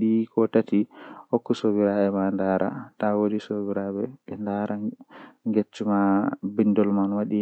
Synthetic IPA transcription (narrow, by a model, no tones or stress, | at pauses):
ɗikɔtatihokːusobiɾaɛmandaːɾa̰tawodisobiɾabɛɛndaɾaŋɡet͡ʃːumabindɔlmanwaɗi